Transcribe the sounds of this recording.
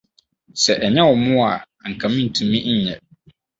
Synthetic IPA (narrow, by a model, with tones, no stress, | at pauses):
sɛ˨ʔɛ˨ɲɛ̃˦wɔ˨mʊ̃˦a˨ | ŋ̩˨kʰã˨mĩ˦n̩˨tʰũ˨mĩ˦n̩˨˦ɲɛ̰̃˨